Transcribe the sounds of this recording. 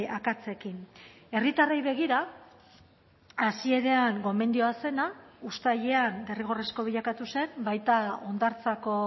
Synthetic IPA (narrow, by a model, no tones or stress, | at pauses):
akat͡se̞kine̞rit̪arejβe̞ɣ̞iɾa | asie̞ɾe̞aŋɡo̞me̞nd̪ioase̞naust̪aʎeand̪e̞riɣ̞o̞resko̞β̞iʎakat̪use̞mbajt̪ao̞nd̪aɾt͡sako̞